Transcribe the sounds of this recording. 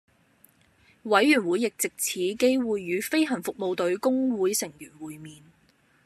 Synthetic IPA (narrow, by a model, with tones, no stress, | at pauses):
wɐ˨˥jːyː˨˩nwuː˨˥jɪ˨k̚t͡sɪ˨k̚t͡sʰiː˨˥ke˥jwuː˨jːyː˨˧fe˥jɦɐ˨˩nfʊ˨k̚mo˨wt̪ɵ˨˥ɥkʊ˥ŋwuː˨˥jsɪ˨˩ŋjyː˨˩nwuː˨jmiː˨n